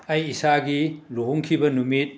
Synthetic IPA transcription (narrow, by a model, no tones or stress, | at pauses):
ɐjːsaɡiloɦuŋkʰibɐnumit̚